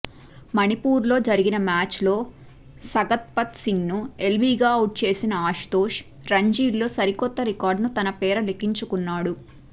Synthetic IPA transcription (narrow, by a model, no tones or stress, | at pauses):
mɐnipuːɾlo̞ːd͡ʒɐɾiɡinɐmaːt͡ʃlo̞ː | sɐɡɐt̪̚pɐt̪siŋnue̞lʋiːɡaːɐwʈ̚t͡ʃe̞ːsinɐaːʂt̪o̞ːʂ | ɾɐɲd͡ʒiːɖlo̞ːsɐɾikɔt̪ːɐɾikaːɾɖnut̪ɐnɐpɛːɾɐlekiɲt͡ʃukunːaːɽu